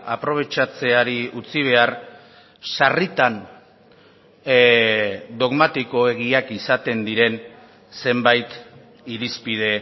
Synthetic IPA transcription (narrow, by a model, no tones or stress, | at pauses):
apɾo̞β̞e̞t͡ʃat͡se̞aɾiut͡siβ̞e̞ar | sarit̪an | d̪o̞ɣmat̪iko̞e̞ɣ̞iakisat̪e̞nd̪iɾe̞n | se̞mbajt̪ | iɾispið̞e̞